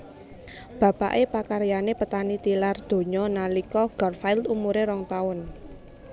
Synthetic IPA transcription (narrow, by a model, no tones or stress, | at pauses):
b̥a̤paʔepakaɾjanepət̪anit̪ilard̪̥o̤ɲɔnalikɔɡ̥ɔrfaɪlt̪umuɾeɾɔŋt̪aʊn